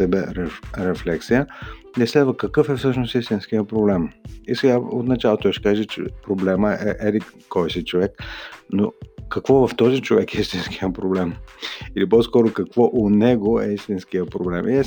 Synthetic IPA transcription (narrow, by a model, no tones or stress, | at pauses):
ɛbɛɾɛɾɛflɛksijəɛslɛd̪vəkɐkɤfɛfsɤʃnosist̪inskijəpɾoblɛmisɛɡaot̪nɐt͡ʃalˠot̪oʃɛ̥kaʒɛt͡ʃɛ̰pɾoblɛməɛʔɛlikɔjsɛt͡ʃovɛkno̰kɐkvɔvɐft̪ɔzit͡ʃovɛkɛist̪inskiəpɾoblɛmilipɔskɔɾokɐkvɔʔonɛɡoɛ̰ist̪inskijəpɾoblɛmʔiɛ